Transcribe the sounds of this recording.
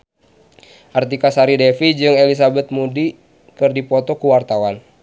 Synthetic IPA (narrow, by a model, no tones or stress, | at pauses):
ʔart̪ikasaɾidɛfid͡ʒɨŋɛlis̬abɛt̪̚mudi | kɨrdipɔt̪ɔkuwart̪awan